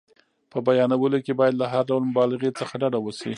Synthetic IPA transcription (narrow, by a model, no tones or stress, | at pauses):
pəbajɑnawəlokebɑjad̪laɦaɾɖawlmʊbɑlɪɣet͡səxaɖaɖawəsḭ